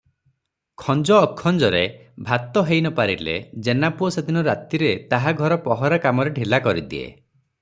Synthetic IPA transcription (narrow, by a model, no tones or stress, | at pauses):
kʰɔnd͡ʒɔːkʰːɔnd͡ʒɔɾebʱat̪ːɔɦejnɔpaɾilḛd͡ʒenapuɔsed̪inɔɾat̪iɾet̪aɦaɡʱɔɾɔpɔɦɔɾakamɔɾeɖʱilakɔɾid̪ḭḛ